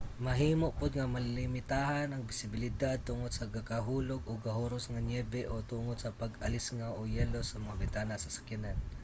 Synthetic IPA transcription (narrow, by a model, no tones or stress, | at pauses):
mɐɦiːmoʔpʊd̪̚ŋɐmɐlɪlɪmɪt̪aɦanɐŋbɪsɪbɪlɪd̪ad̪̚t̪ʊŋod̪sɐɡakaɦuːloɡoɡɐɦoɾosŋɐɲɛbɛʔot̪uŋod̪sɐpɐɡɐlɪsŋawʔojɛlosɐmɐŋabɪnt̪aːnasɐsɐ̥kɪnan